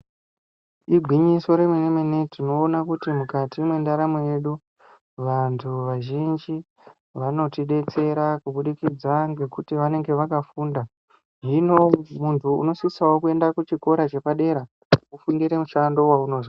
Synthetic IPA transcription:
iɡʱiɲiso̞ɾe̞menemenetino̞ːnakutimukatimwe̞ndaɾamoje̞ɗu | ʋantʰuʋaʒind͡ʒi | ʋano̞tiɗe̞t͡se̞ɾakuɓuɗikid͡zaŋɡe̞kutiʋane̞ŋɡe̞ʋakafuːnda | ʒino̞muntʰṵːno̞sisawo̞kue̞ndakut͡ʃiko̞ɾat͡ʃe̞paɗe̞ɾa | ufundiɾe̞muʃando̞wauno̞ːzwa

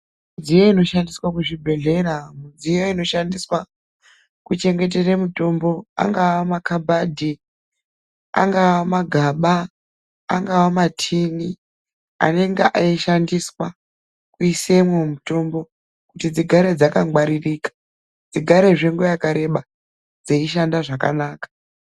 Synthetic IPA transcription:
mud͡zijoino̞ʃandiswakuʐibʱe̞ɮe̞ɾamud͡zijo̞ino̞ʃandiswa | kut͡ʃe̞ŋɡe̞t̬eremuto̞mbo̞a̰ŋɡawamakabʱadʱi | a̰ŋɡawamaɡʱaːɓa̰ː | ŋɡawamatʰini | a̰ne̞ŋɡeʔaiʃandiswa | kuise̞mwemuto̞mbo̞ | kutid͡ziɡʱaɾe̞d͡zakawaɾiriːkḁ | d͡ziɡʱaɾe̞ʐeŋɡojakaɾe̞ɓa | d͡zeiʃ̬andaʐaka̰naːkḁ

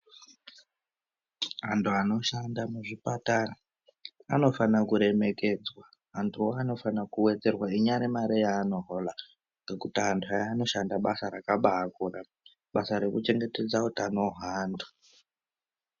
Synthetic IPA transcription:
ɦantʰuano̞ʃandamuʐipatara | ano̞fanakuɾe̞me̞ke̞d͡zwa | ɦantʰuoano̞fanakuwe̞d͡ze̞rwaiɲaɾemaɾijaːno̞ɦola | ŋɡekutiɦantʰuajaːno̞ʃandaɓasaɾakaɓaakura | ɓasaɾe̞kut͡ʃe̞ŋɡe̞te̞d͡zautanoɦaːndu

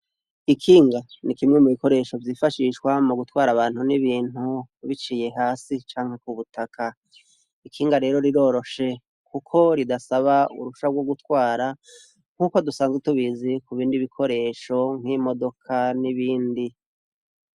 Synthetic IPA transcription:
ikʰiːŋɡa | nikimŋe̞muβiko̞ɾe̞ʃo̞vjiːfaʃiːʃkwamuɡutwaːɾaβaːn̥huniβiːn̥huβit͡ʃiːje̞ɦaːsit͡ʃaːŋ̥he̞kuβutʰakʰa | ikʰiːŋɡaɾe̞ːɾo̞ɾiɾo̞ːɾo̞ʃe̞ | kukʰo̞ɾidasaβaṵɾuʃabɡwo̞ɡutwaːɾa | ŋ̥huːko̞dusaːnzɡwetuβizikuβiːndiβikʰo̞ɾe̞ːʃo̞ŋ̥himo̞do̞kʰaniβiːndi

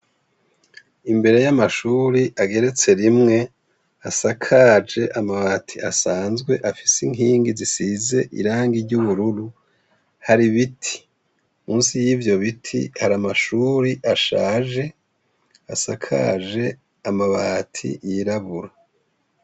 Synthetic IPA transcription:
imbe̞ɾe̞jamaʃuːɾiʔaɡe̞ɾe̞t͡se̞ɾimŋe̞ | asakʰad͡ʒe̞ʔamaβaːtʰiʔasaːnzɡwe̞ʔafi̥siŋɦiːŋɡizisize̞ʔḭɾaːŋɡiɾɟuβuɾuɾu | haɾiβitʰi̥ | muːnsijiːvjo̞βitʰḭhaɾamaʃuːɾiʔaʃaːʒe̞ | asakʰa̰ʒe̞ | amaβatʰḭjiɾaβuɾa

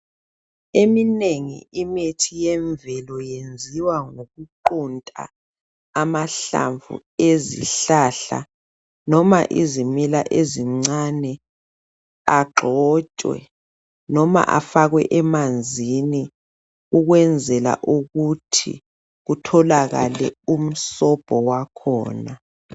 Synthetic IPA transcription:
emineŋḭimetʰijɛɱvɛlɔjend͡zʱiwaŋoɣuǃuntʼa̰ː | maɬa̰ɱvṵ | ezḭɬaɬa̰ | nɔma̰ʔḭzimilaʔeziŋ͡ǀanɛ | aɡ͡ǃʱɔt͡ʃʼwɛ̰ | nɔma̰ʔa̰faɣwɛ̰ʔɛmand͡zʱini | uɣwɛnd͡zʱɛla̰ʔuɣutʰḭ | ɣutʰɔlaɣa̰lɛ̰um̩sɔb̥ʱɔwakʰɔ̰ːna

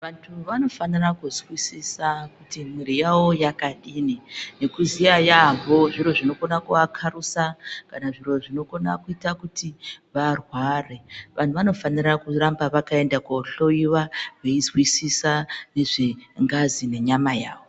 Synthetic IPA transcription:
ʋantʰuʋano̞fanirakuzwisisakutimiɾijawo̞jakaɗininekuzijajamboʐiɾo̞ʐino̞ko̞nakuakʰarusakanaʐiro̞ʐino̞ko̞na̰kuitakutiʋarware̞ʋan̤uʋano̞fanirakurambaʋakae̞ndakoɬo̞jiwaʋe̞izwisisane̞ʐeŋɡazine̞ɲamaja̰ːwo

